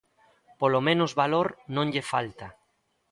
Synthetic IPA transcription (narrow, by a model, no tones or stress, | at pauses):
polomẽnʊzβaloɾnõŋʎefalt̪a